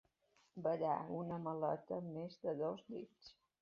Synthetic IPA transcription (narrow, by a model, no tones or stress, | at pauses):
bəʎa̰unəməlɔ̰t̪əmezd̪əðozd̪it͡s